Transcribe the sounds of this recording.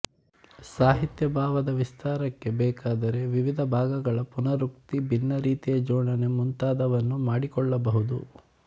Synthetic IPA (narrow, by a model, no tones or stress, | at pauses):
saːɦit̪jɐbʱaːʋɐd̪ɐʋist̪ʰaːɾɐkːe̞bɛːkaːd̪ɐɾe̞ʋiʋid̪ʱɐbʱaːɡɐɡɐɭɐpunɐɾuk̚t̪ibinːɐɾiːt̪ijɐd͡ʒɔːɳɐne̞munt̪aːd̪ɐʋɐnːumaːɽikɔɭːɐbɐɦud̪ṵ